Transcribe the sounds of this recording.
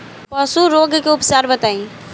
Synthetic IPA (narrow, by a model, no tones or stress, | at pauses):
pəsuɾoɡkeʊpsaɾbət̪ain